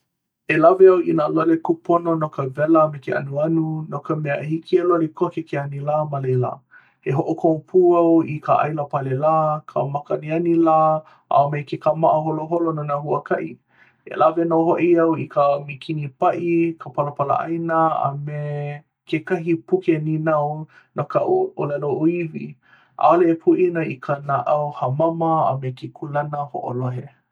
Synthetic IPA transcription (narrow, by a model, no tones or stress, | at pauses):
elaveawinalolekupʰononokəvɛləmekeʔa̰nuɐnunokəmɛəhikʰielolekʰokekeɐnilaːmalejla̰ | heɦoʔokʰowpʰuːɐwikʰaʔa̰jləpalelaːkʰə̰makəanianilaː | ʔa̰omejkekamaʔəɦoloɦolononaɦuəkʰaʔi | ḛlavenoɦoʔiɐwikamikʰinipaʔikʰapalapala̰ʔa̰jnaa̰me | kekaɦipukeninɐw | nokaʔuolaloʔuivi | ʔa̰oleːpʰuʔinaikʰanaʔawhɐmamɐa̰mekekʰulanəho̰ʔo̰loɦe